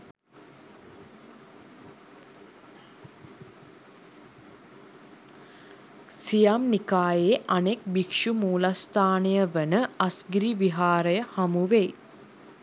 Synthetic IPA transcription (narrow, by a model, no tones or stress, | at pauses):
sijamnikaːjeːʔanek̚bikʂumuːlast̪aːnejəʋənəasɡɾiʋiɦaːɾəjəhamuʋe